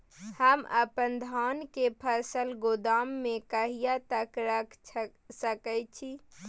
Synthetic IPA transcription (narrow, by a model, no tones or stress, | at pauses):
həmə̰pənd̪ʱaːnkepʰəsəlɡod̪aːmːẽkəɦijat̪əkɾəkʰ | səkət͡ʃʰi